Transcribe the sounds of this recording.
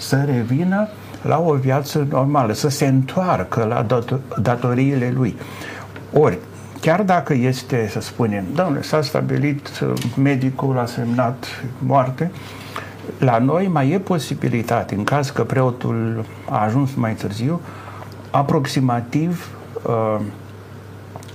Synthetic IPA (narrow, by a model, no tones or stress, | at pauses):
səɾe̞vinə | lʔa̰o̞vjat̪səno̞rmaləsəse̞ɨnt̪oarkəla̰d̪at̪o̞ɾiːle̞luj | o̞rʲ | kʲard̪akəje̞st̪e̞səspune̞md̪omnḛsast̪a̰bḭlit̪me̞d̪ikulase̞mnat̪moart̪e̞ | lano̞jmaje̞po̞sibḭlit̪at̪eɨŋkazkəpɾe̞o̞t̪ṵl | a̰ːʒunsmajt̪ɨrziw | apɾo̞ksimat̪iv